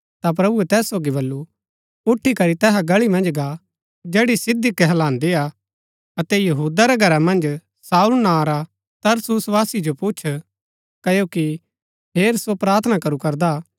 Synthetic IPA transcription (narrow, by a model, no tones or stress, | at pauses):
t̪ap̬ɾɐbuɛt̪ɛːsːoːɡiβɐlːu | ʊʈʰːikɐɾit̪ɛːɦaɡɐɭimɐ̃nd͡ʒɡa | d͡ʒɛːɽisɪd̪ikːɛɦɐlãːnd̪ia | ɐt̪ɛjɐɦuːd̪aɾɛɡʱɐɾamɐ̃nd͡ʒ | saːulnaɾa | t̪ɐɾsusʋaːsid͡ʒopʊt͡ʃʰ | kɐjoki | pʰeːɾsopɾaːɾt̪ʰənakɐɾukɐɾd̪a